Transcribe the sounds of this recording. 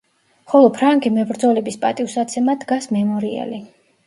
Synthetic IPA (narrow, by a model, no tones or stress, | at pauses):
χɔlˠɔpʰɾaŋɡimɛbɾd̪zɔlɛbispʼa̰t̪ʼiuwsat̪sʰɛmad̪ɡasmɛmɔɾiɛ̰li